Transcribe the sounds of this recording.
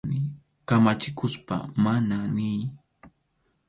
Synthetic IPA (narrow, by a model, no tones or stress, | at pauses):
nɪ | kamat͡ʃɪkʊspa̰mananɪj